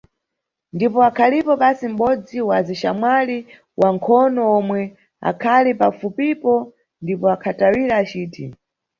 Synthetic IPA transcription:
ndipɔakʰalipɔɓasim̩ɓɔd͡ziwaziʃamwali | wʔaŋkʰɔnɔɔmwɛ | a̰kʰalipafupipɔ | ndipɔakʰatawiɾaːt͡ʃiːtʰi

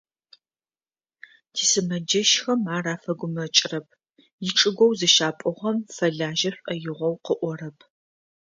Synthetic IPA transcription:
tʰiːsɨmɐd͡ʒɐʃxɐmaːraːfɐɡʷʊmɐt͡ʃʼɪrɐp̚ʰ | jɪʈ͡ʂʼɨɡʷɔwzɨʃaːpʼʊʁɐmfɐɮaːʒɐɕʷʼʔɐjɪʁʷɔwqəʔʷɔɾɐpʰ

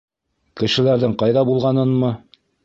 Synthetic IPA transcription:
kɘ̆ʃɘ̆læɾðɘɴqɑjðɑbulˠʁɑnɤnmɤ

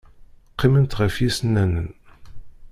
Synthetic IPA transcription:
qːimənt̪ʁəfjisənːænən

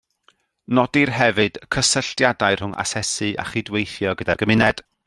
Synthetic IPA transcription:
nɔdirɦɛvɨd̥kʰəsəɬtjadaɨr̥hʊŋa̰sɛsɨʔa̰χidwejθjɔɡədarɡəmɪnɛd̥

